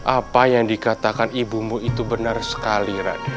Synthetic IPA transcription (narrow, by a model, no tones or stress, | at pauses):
ʔapajaŋdikat̪akanibumuʔit̪ubənarsə̥kaliɾa̰d